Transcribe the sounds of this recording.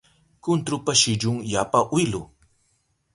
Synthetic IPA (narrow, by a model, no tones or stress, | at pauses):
kʊnt̪ɾʊpaʃɪd͡ʒʊŋjapaʔwɪlʊ